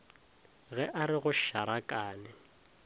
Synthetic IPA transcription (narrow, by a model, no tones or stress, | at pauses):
ɣɛʔaɾɪɣʊʃaɾakʼaːnɪ